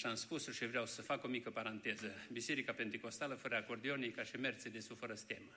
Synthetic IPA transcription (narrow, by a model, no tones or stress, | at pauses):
ʃamspusoʃivɾeawsəfako̞mikəpaɾant̪e̞zəbise̞ɾikape̞nt̪eko̞st̪aləfəɾəakord̪ionijkaʃime̞rt̪sed̪e̞sufəɾəst̪ʲemə